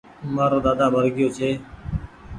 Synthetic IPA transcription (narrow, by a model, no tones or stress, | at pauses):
maːɾoːd̪aːd̪aːbʱəɾɡɪjoːt͡ʃʰeː